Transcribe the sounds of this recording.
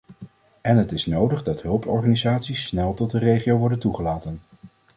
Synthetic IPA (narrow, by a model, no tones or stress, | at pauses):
ɛnɦətɪsnowdəχdɑtɦɵlˠpɔɹχaːnizaːtsisːnɛlˠtɔt̚dərejχiowʋɔɹdəntuχəlaːtən